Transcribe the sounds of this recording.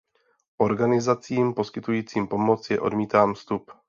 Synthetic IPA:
ʔo̞ɾɡanɪzat͡siːmpo̞skɪt̪ujiːt͡siːmpo̞mo̞t͡sjɛʔo̞̰dmiːt̪aːmfst̪up

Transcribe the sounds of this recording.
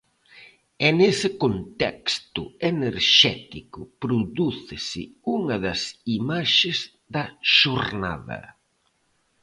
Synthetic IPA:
ɛnesɪkont̪ɛkst̪ʊeneɾʃɛt̪ikʊpɾoðuθɪsɪ̰uŋɐðɐsimaʃɪz | ðɐʃoɾna̰ðɐ̰

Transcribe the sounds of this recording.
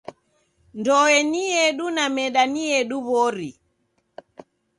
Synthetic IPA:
ndɔɛniɛɗunamɛɗaniɛɗuβɔɾi

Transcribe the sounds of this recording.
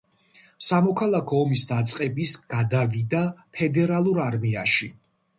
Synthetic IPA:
samɔkʰalˠakʰɔːmisd̪at̪sʼqʼɛbisɡ̥ad̪avid̪apʰɛd̪ɛɾalˠuɾaɾmiaʃi

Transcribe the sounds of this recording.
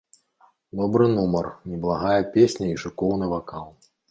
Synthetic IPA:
d̪ɔbɾɨnumɐrnʲɛblˠaɣajɐpʲesʲnʲɐiʂɨkɔwnɨvakalˠ

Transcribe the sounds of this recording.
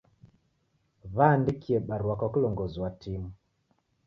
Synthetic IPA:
βandikiɛɓaɾwakɔklɔŋɡɔzwatʰim

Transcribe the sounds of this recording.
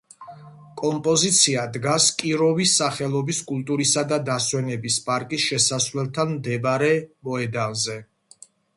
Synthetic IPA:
kʼɔmpʼɔzit̪sʰiad̪ɡaskʼiɾɔvisːaχɛlˠɔbiskʼulˠt̪ʼuɾisad̪ad̪aswɛnɛbispʼaɾkʼisʃɛsasvlɛlˠt̪ʰanmd̪ɛbɾɛmɔɛd̪anzɛ

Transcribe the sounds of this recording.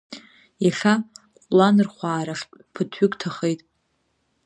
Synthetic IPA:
jaχʲa | kqʼlanɨrχʷaːɾaχʼpʰɨtʰɥʏkʼtʰaχejtʼ

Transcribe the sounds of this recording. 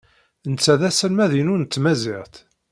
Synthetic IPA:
nt͡sːæðæsəlmæðinʊnət͡s̪ːmæzɪʁθ

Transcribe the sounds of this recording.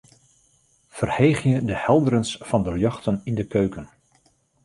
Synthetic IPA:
fərheːχjədəhɛlˠdəɾənsfɑndəljɑxtənindəkøɥkən

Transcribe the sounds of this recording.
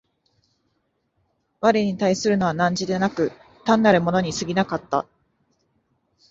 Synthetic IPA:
βaɾʲiɲ̟it̪aisɨɾɯ̟no̞β̞anãɲ̟d͡ʑid̪e̞nakɯ̟ | t̪ãnːaɾɯ̟mo̞no̞ɲ̟isɨɡʲinakat̪ːa̰

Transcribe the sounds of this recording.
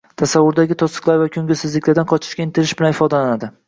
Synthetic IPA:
t̪ʰasavːʊɾd̪aɡʲɪt̪ʰɒsɨ̥qlˠaɾvakʲʰɵŋɡʲɪsɪzlɪkʲlaɾd̪anqʰɒt͡ʃʰɪ̥ʃkʲaɪnt̪ɪɾɪʃbɪlanɪfɒd̪alanad̪ɪ

